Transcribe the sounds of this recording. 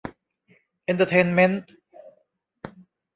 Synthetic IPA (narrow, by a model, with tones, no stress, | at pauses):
ʔe˧nt̪ʰə˧t̪ʰeː˧nme˥nt̪